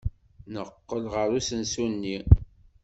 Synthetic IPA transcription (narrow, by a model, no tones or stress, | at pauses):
nəqːəlʁəɾusənsunːi